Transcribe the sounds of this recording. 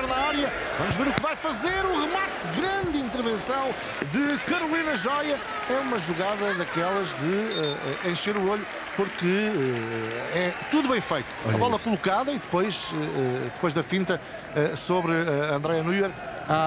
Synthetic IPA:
ɛɾnɐɔɾjɐ | vɐmuʒveɾukvajfɐzeɾuʁɨmaɾt̪ɣɾɐ̃nd̪ĩnt̪ɨɾvẽsɐ̃w̃ | d̪ɨkɐɾulˠinɐʒɔjɐ | ɛumɐʒuɣaðɐðɐkɛlˠɐʒðɨɛɛ̰ẽj̃ʃeɾuoʎu | puɾkɨɛɛt̪uðuβɐ̃j̃fɐjt̪u̥ɐβɔlˠɛkulˠukaðɐiðɨpojʃɛɛd̪ɨpojʒðɐfĩnt̪ɐ | ɛsoβɾɨɐɐ̃nd̪ɾɛjɐnujɛɾ | a

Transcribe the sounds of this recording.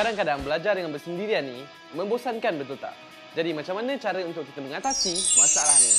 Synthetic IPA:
kadaŋkadaŋbəlad͡ʒardəŋanbərsəndiɾianːi | mə̃mbosankanbət̪ult̪a̰ʔ̚ | d͡ʒadimat͡ʃamːanət͡ʃaɾəunt̪ʊk̚ːit̪əməŋat̪asimasaalahni

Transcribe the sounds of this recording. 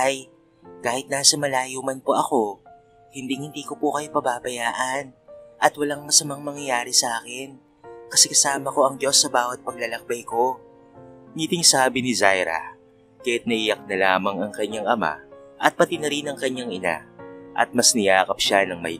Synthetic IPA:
ʔɐj | kaːhɪt̪̚naːsɐmɐlaːjomɐnpoʔɐko̞ | hɪnd̪iŋhɪnd̪iːko̞pokɐjo̞pɐbaːbɐjaːʔɐnʔɐt̪wɐlaŋmɐsɐmaŋmɐŋjɐjaːɾɪsɐʔaːkɪn | kɐsɛkɐsaːmɐko̞ʔɐŋd͡ʒo̞sːɐbaːwɐt̪̚pɐɡ̚lalɐk̚bɐjko̞ | nit̪ɪŋsaːbɪnɪzajɾɐ̰ | kaːjat̪nɐʔɪjɐk̚nɐlaːmɐŋɐŋkɐɲːaŋʔɐma̰ʔɐt̪̚pɐt̪ɪnɐɾɪnɐŋkɐɲːaŋɪna̰ʔɐ̰t̪̚mɐsnɪjaːkɐpʃanɐŋmɐ̰j

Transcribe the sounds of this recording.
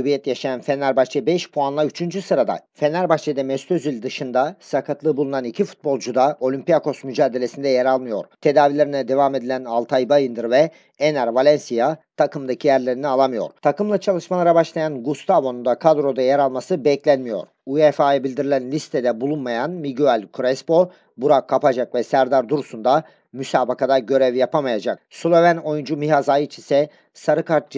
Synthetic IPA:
bijɛt̪jaʃajanfɛnʲæɾbaʃt͡ʃʰɛbɛʃpʰuanlˠayt͡ʃʰynd͡ʒysɯɾad̪a̰fenæɾbaʃt͡ʃʰɛd̪ɛmɛst̪øzylʲd̪ɯʃɯnd̪asakʰat̪lˠɯbulˠunanicʰifu̥t̪̚bo̞lˠd͡ʒud̪aʔo̞lʲympijakʰo̞smyd͡ʒaːd̪elʲe̞sind̪ɛjɛɾalˠmɯjo̞̰ɾt̪ʰe̞d̪aːvilʲeɾinɛd̪e̞vaːme̞d̪ilʲænalˠt̪ʰajbajɯnd̪ɯɾvɛ | enæɾvalʲɛnsijat̪ʰakʰɯmd̪acʰijæɾlʲe̞ɾinialˠamɯjo̞̰ɾt̪ʰakɯmlˠat͡ʃʰalˠɯʃmalˠaɾabaʃlˠajanɡust̪ʰavo̞nund̪akʰad̪ɾo̞d̪ajɛɾalˠmasɯbɛclʲænmijo̞̰ɾ | ujefaːjabilʲd̪iɾilʲænlʲist̪ʰɛd̪ɛbulˠunmajanmiɟyalʲkʰuɾɛspo̞ | buɾakʰːapad͡ʒakvɛsæɾd̪aɾd̪uɾusund̪a | mysaːbakad̪aɟø̞ɾɛvjapʰamajad͡ʒak̚sulˠovæno̞jund͡ʒumiɦazajit͡ʃʰisɛ | saɾɯkʰaɾt̪̚d͡ʒ

